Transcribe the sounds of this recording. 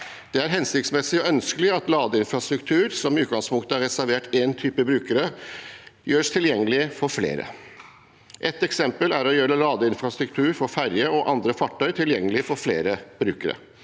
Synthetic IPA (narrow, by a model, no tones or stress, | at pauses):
d̪̥ɛæɾɦɛnsɪk̚t̪smɛsɪɔœnskəlɪɑt̪lɑːd̪əɪnfɾɑst̪ɾʉkt̪ʰʉːɾsɔmɪʉːt̪ɡɑŋspʰʊŋkt̪əæɾɛsæɾʋeːʈeːnt̪ʰyːpəbɾʉːkəɾə | jøːʂt̪ʰɪljɛŋːəlɪəfɔɾflḛːɾə̰ | ʔɛt̪ːɛksɛmpəlæɾɔjøːɾəlɑːd̪əɪnfɾɑst̪ɾʉkt̪ʰʉːɾfɔɾfæɾjəɔʔɑnd̪ɾəfɑʈʰːœʏt̪ʰɪljɛŋːəlɪfɔɾfleːɾəb̥ɾʉːkəɾə̰